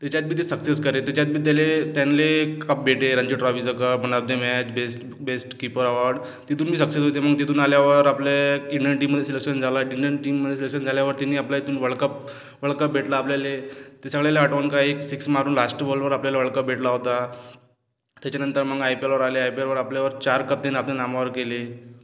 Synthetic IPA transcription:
t̪at͡ɕat̪biːt̪esəkseskəɾet̪jat͡ɕat̪̚biːd̪ʱjalet̪janlekəp̚bʱeʈeɾə̃ɲd͡ʑiʈɾafisəkəpəɳəb̚d̪emɛt͡ɕbesʈ | besʈkipəɾəʋaɾɖ | t̪it̪uːnmiːs̬əksesɦot̪eməɡ̚t̪it̪uːnaljaʋəɾapleiɳɖəɳʈ̬iːmːəd̪ʱjes̬ilekʂənd͡zʱalaiɳɖəɳʈimːəd̪ʱjesilekʂənd͡zʱaljaʋəɾt̪inːiːaplaet̪uːnʋəɭkəp̚ | ʋəɭkəp̚bʱeʈlaːplalet̪esəɡɭjaleaʈʋənkaeksiksmaɾuːnlasʈbolʋəɾapljalaʋəɭkəp̚bʱeʈlaɦot̪a | t̪jat͡ɕanənt̪əɾməɡajpiəɾʋəɾaleajpiaɾʋəɾapljaʋəɾt͡ɕaɾkəp̚t̪enaplenamaʋəɾkele

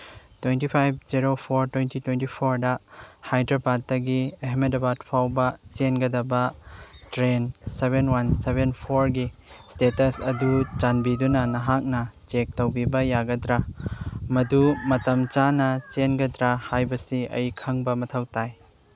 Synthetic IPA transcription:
twentipʰajb̚ziɾopʰoɾtwejntitwentipʰoɾdɐhajdɾapat̚tɐɡieɦmetɐbad̚pʰawbɐt͡ʃenɡɐdɐbɐtɾenseβenwansebenpʰoɾɡistetɐsɐdut͡ʃanbidunɐnɐɦak̚nɐt͡ʃek̚towbibɐjaɡɐdɾa | mɐdumɐtɐmt͡ʃanɐt͡ʃenɡɐdɾahajbɐsiɐ̰jkʰɐŋbɐmɐtʰɐwtaj

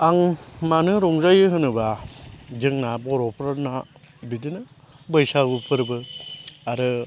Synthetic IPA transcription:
aŋmanɯɾɔŋzajɯɦɯnɯbad͡ʒɯŋnabɔɾɔpʰɾana | bidinɯ | bɯjsaɡupʰɯɾbɯaɾɯ

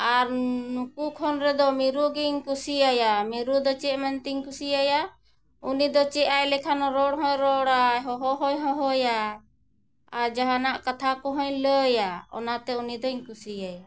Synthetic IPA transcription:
aɾnukukʰɔnɾɛd̪ɔmiɾuɡiɲkusiajamiɾud̪ɔt͡ʃɛʔmant̪iɲkusijaja | unid̪ɔt͡ʃɛʔajlɛkʰanɔɾɔɽɦɔjɾɔɽaɦɔɦɔɦɔjɦɔɦɔja | aɾd͡ʒaɦanaʔkat̪ʰakɔɦɔɲləjaɔ̰nat̪ɛunid̪ɔɲkusijaja

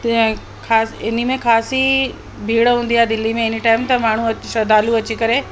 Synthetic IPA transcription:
kaːsɪnimẽxaːsi | bʱiːɽɦũːnd̪iaːed̪ɪlimẽɪnəʈaːɪmt̪ɐmaːɳ̤uɐʃɐd̪aːluɐt͡ɕikɐɾe

